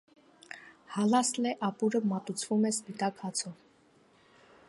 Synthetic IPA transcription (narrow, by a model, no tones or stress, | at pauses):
hɑlɑslɛʔɑpuɾəmɑt̪ut͡sʰvumɛspit̪ɑkhɑt͡sʰɔ